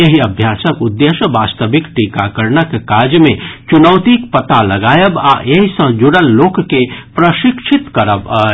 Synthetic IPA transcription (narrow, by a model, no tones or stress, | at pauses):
jeɦiəbʱjasəkud̪ːeʃjəbast̪əbikʈikakəɾnəkekad͡ʒmẽt͡ʃunəwt̪ikpət̪aləɡaːjəba̰jeɦisə̃d͡ʒuɽəlːokːepɾəʃikʃʰit̪kəɾəb